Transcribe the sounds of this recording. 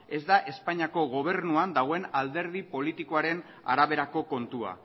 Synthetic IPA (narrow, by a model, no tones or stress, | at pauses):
e̞zd̪aʔe̞spaɲiako̞ɣo̞β̞e̞rnuand̪aɣ̞oe̞nald̪e̞ɾð̞ipo̞lit̪ikoaɾe̞n | a̰ɾaβe̞ɾako̞ko̞nt̪ua̰